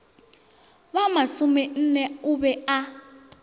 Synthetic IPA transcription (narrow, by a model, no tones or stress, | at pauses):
βamasumɛn̩nɛuβɛa